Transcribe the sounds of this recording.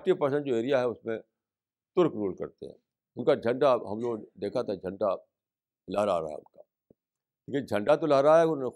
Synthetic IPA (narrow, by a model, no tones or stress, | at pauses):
ʈipɐɾs̬ə̃ɳʈd͡ʒoeːɾijaɦɛʊsmẽ | t̪ʊɾkɾuːlkɐ̰ɾt̪ḛɦɛ̰̃ː | ʊnkad͡ʒʱɐ̃ɳɖaɦɐmloːɡd̪eːkʰat̪ʰaɦɛd͡ʒʱɐ̃ɳɖa | lɐɦɾa̰ɾa̰ɦɛ̰ʊ̰nkaː | leːkɪd͡ʒʱɐ̃ɳɖat̪olɐɦɾaɦaɦɛʊne